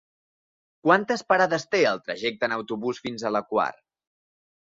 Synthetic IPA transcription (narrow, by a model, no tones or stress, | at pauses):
kwant̪əspəɾaðəst̪eəlˠt̪ɾəʒɛk̚t̪əːnəwt̪uβusfinzələkwa̰r